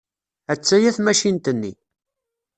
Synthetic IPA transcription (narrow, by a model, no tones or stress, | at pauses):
æt͡sːæjæθmæʃint̪ənːḭ